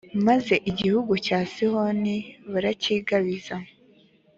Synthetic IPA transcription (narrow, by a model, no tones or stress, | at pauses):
maze̞ʔiɟihuɡucaːsihoniβuɾaciːɡaβizamo